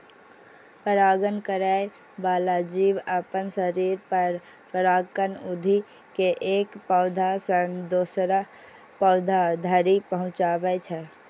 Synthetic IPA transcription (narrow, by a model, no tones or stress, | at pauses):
pəɾaɡənkəɾɛj | balad͡ʒiʋəpənsəɾiɾpəɾ | pəɾakənud̪ʱi | keʔekpəʊd̪ʱasənd̪osɾa | pəʊd̪ʱad̪ʱəɾipəɦʊ̃t͡ʃabɛt͡ʃʰɛ